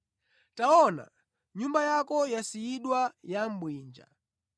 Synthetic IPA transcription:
taɔna̰ | ɲumbajakɔjasiiɗwajam̩bwiːnd͡ʒa̰

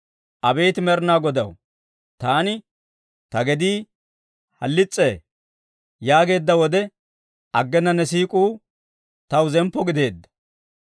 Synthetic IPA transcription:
ʔɐbe̞ːt̪ɪmɛɾnaːɡɔd̪ɐw | t̪aːnɪ | t̪ɐɡɛd̪iː | hɐ̰lːɪt͡sʼːeː | jaːɡe̞ːd̪ːɐwɔd̪ɛ | ʔɐɡːɛnːɐnːɛs̬iːkʼuː | t̪ɐwzɛmpːɔɡɪd̪e̞ːd̪ːɐ̥

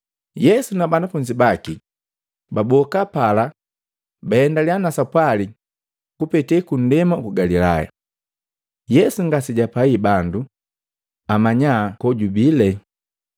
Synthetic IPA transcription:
jɛsunabanafuɲd͡ʒibaki | babɔkapala | baɛndalianasapwali | kupɛtɛkun̩dɛmakuɡalila̰ja̰ | jɛsuŋɡasiɟapaibandu | amaɲakɔɟubilɛ

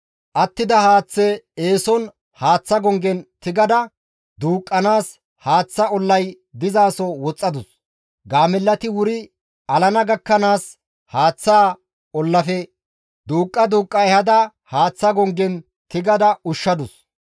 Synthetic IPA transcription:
ʔɐt̪ːɪd̪ɐhaːt͡sːeeːsɔn | haːt͡sːɐɡɔŋɡɛnt̪ɪɡɐd̪ɐ | d̪uːkʼːɐnaːs | haːt͡sːɐɔlːɐj | d̪ɪzaːsɔwɔt͡sʼːɐd̪ʊs | ɡaːmɛlːɐt̪ɪwʊɾɪ | ʔɐlɐnɐɡɐkːɐnaːs | haːt͡sːaː | ɔlːɐfɛ | d̪uːkʼːɐd̪uːkʼːɐjhɐd̪ɐ | haːt͡sːɐɡɔŋɡɛn | t̪ɪɡɐd̪ɐʊʃːɐd̪ʊs

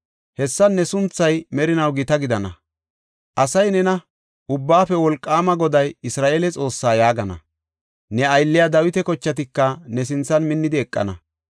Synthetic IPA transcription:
hɛsːɐnːɛsʊnt͡sːɐjmɛɾɪnɐwɡɪt̪ɐɡɪd̪ɐnɐ | ʔɐsɐjnɛnɐ | ʔʊbːaːfɛwɔlkʼːaːmɐɡɔd̪ɐjɪsɾaːʔeːlɛt͡sʼo̞ːsːaːjaːɡɐnɐ̰ | nɛɐjlːɪjad̪ɐwɪt̪ɛkɔt͡ʃːɐt̪ɪkːɐnɛs̬ɪnt͡sːɐnmɪnːɪd̪ɪɛkʼːɐ̰nɐ̰

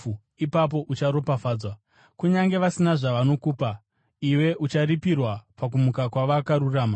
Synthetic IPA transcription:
ipap̬o̞ʔut͡ʃaɾo̞pafaːd͡zwa | kuɲaŋɡe̞ʋasinaʐaʋano̞kuːpa | iwe̞ʔut͡ʃaripirwapak̬umukakwaʋakaɾuraːma

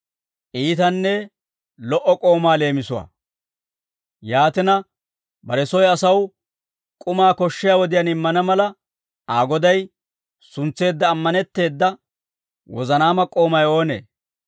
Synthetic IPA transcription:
ʔiːt̪ɐnːɛ | lɔʔɔkʼo̞ːmaːle̞ːmɪsʊwa̰ː | jaːt̪ɪnɐ | bɐɾɛsɔjɐsɐw | kʼʊmaːkɔʃːɪjaːwɔd̪ɪjaːnɪmːɐnɐmɐlɐ | aːɡɔd̪ɐj | sʊnt͡sːe̞ːd̪ːɐːmːɐnɛt̪ːe̞ːd̪ːɐ | wɔ̰zɐnaːmɐkʼːo̞ːmɐjo̞ːne̞̰ː

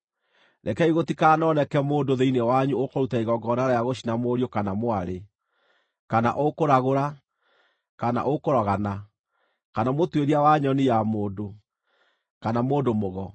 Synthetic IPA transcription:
ɾɛkɛiɣotikaːnɔnɛkɛmoːndoðeinewaɲuokoɾutaiɣɔɡɔnaɾajaɣoɕinamoːɾiokanamoaɾe | kana̰ʔokoɾaɣoɾa | kana̰ʔokoɾɔɣana | kanamotweɾiawaɲɔnijamoːdo | kanamoːdomoɣɔ

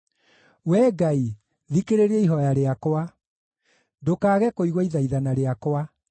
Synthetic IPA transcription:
wɛːɡai | ðikeɾeɾiɛiɦɔjaɾeakoa | ndokaːɣɛkoiɣwaiðaiðanaɾeakwa

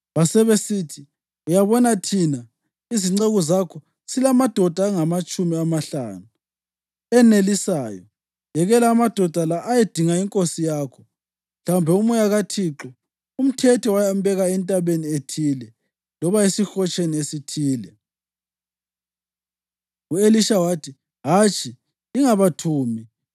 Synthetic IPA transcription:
βasɛβesitʰi | ujaβɔnatʰina | iziŋ͡ǀeɣɔzakʰɔ | silamad̥ʱɔd̥ʱaːŋamat͡ʃʼumiamaɬa̰ːnu | ɛnelisaːjɔ̰ | jɛɣɛlaːmad̥ʱɔd̥ʱalaʔːjed̥ʱiŋaiŋkʼosijaːkʰɔ | m̩ɬaumbʱɛumujaɣatʰiǁɔ | um̩tʰɛtʰɔwajambɛɣaɛntʼaβenietʰiːlɛ | lɔβaesixɔt͡ʃʼeniesitʰiːlɛ | ueliʃawatʰi | ɦat͡ʃʰʼiː | ŋaβatʰuːmi

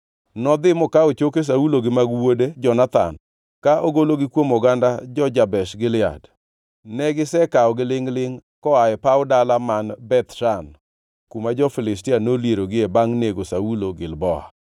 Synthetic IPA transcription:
nɔd̪ɪmɔkaot͡ʃokes̬auloɡɪmaɡwoded͡ʒɔnat̪a̰n | kaʔoɡoloɡɪkwomoɡandad͡ʒɔd͡ʒabɛʃɡɪlɪa̰d | nɛɡɪsɛkaɔɡɪlɪŋlɪŋkɔaɛpaʊdalamanbɛt̪ʃan | kumad͡ʒɔfɪlɪstɪanoljeɾoɡɪebaŋneɡosauloɡɪlbɔa̰

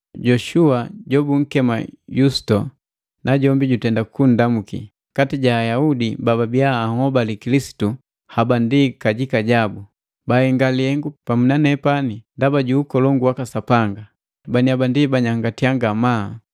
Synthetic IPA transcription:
ɟɔʃuaɟɔbuŋ̩kɛma̰jusi̥tɔ | naɟɔmbiɟutɛndakun̩damukḭ | katiɟaːjaudibababiaːhɔbalikilisi̥tu | habandikaɟikaɟabu | baɛŋɡaliɛŋɡupamunanɛpanindabaɟuːkɔlɔŋɡuwakasapaŋɡa | baniabandibaɲaŋɡatiaŋɡama

